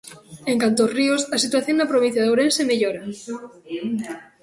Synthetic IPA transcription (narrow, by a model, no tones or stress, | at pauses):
eŋkant̪oːsriosɐsit̪waθjoŋnɐpɾoβĩn̟θjaðowɾẽnsemeʎoɾa